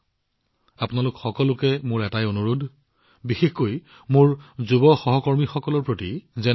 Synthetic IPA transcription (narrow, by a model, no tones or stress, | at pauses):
apʊnalʊkxɔkɔlʊkɛmʊɹɛtajonuɹudʱ | bixexkoj | mʊɹzubɔxɔɦɔkɔɹmixɔkɔlɔɹpɹotizɛ